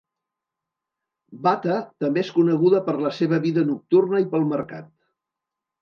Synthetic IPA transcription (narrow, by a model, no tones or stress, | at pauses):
bat̪ət̪əmbeeskunəɣuðəpəɾləseβ̞əβiðənuk̚t̪urnəipəlˠməɾka̰t̪